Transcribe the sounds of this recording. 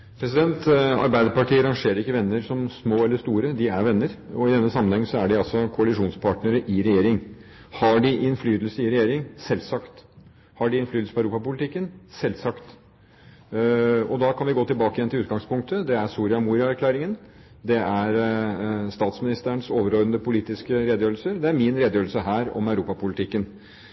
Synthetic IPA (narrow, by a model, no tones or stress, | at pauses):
pʰɾɛsɪd̪ɛnt̪ɑ̰ɾbæɪd̪əɾpɑʈiːəɾɑŋʂeːɾəɾɪkːəʋɛnːəɾsɔmsmoːɛlːəʂst̪uːɾəd̪ɪæɾʋɛnːəɾɔɪd̪ɛnːəsɑmənhɛŋsɔæɖɪɑlsɔkʰʊɑlɪʂuːnspʰɑʈnəɾəʔɪɾɛjeːɾɪŋ | hɑɖɪʔɪnflyːd̪lsəɪɾɛjeːɾɪŋsɛlːsɑkt̪ | hɑɖɪɪnflyːd̪sə̥pʰɔæœɾuːpɑpʊlɪt̪ɪkːənsɛlsɑkt̪ | ɔd̪ɑkʰɑnʋɪɡoːt̪ɪlbɑːkəjɛnɪlʉːt̪ɡɑŋspʰʊŋk̚t̪əd̪ɛæɾsuːɾɪɑmuːɾɪɑæɾklæːɾɪŋən | d̪ɛæɾ | st̪ɑːt̪smɪnɪst̪əəɳsoːʋəɾɔɾənd̪əpʰʊliːt̪ɪskəɾeːd̪əjøːɾəlsəɾd̪ɛæɾmɪnɾeːd̪əjøːɾlsəɦæːɾɔ̰mæʉɾuːpɑpʊlɪt̪ɪkːən